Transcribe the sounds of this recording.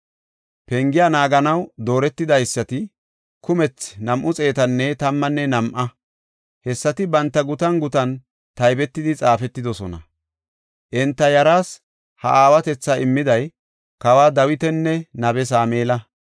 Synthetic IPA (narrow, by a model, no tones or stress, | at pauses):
pɛŋɡɪjaːnaːɡɐnɐwd̪o̞ːɾɛt̪ːɪd̪ɐjsːɐt̪ɪ | kʊmɛt͡snɐmʔʊt͡sʼe̞ːt̪ɐnːɛt̪ɐmːɐnːɛnɐmʔɐ | hɛsːɐt̪ɪbɐnt̪ːɐɡʊt̪ɐŋɡʊt̪ɐn | t̪ɐjbɛt̪ːɪd̪ɪt͡sʼaːfɛt̪ːɪd̪ɔsɔnɐ̰ | ʔɪnt̪ːɐjɐɾaːs | hɐ̰ʔaːwɐt̪ɛt͡sːɐʔɪmːɪd̪ɐj | kɐwaːd̪ɐwɪt̪ɛnːɛnɐbɛs̬aːmeːlɐ